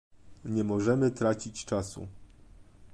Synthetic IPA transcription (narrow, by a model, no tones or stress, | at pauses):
ɲɛmɔʐɛmɘt̪ɾat͡ɕit͡ɕt͡ʂasṵ